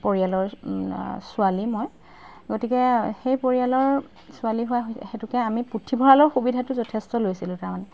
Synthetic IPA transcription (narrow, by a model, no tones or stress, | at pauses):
poɹialɔɹ | sʊalimoj | ɡotikɛxejpoɹijalɔɹ | sʊaliɦʊaɦxetʊkɛamiputʰːibʱɔɹalɔɹxubidʱatʊzɔtʰestɔlojsilʊ̃taɹmanɛ